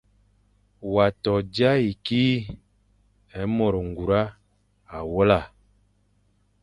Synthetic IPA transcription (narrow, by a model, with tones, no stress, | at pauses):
wa˨tɔ˨d͡ʒa˦i˨kiː˦ | ɛ˨˦mɔ˨ɾɔ˨ŋ˨ɡu˨ɾa˦ | a˨wɔ˦la˦˨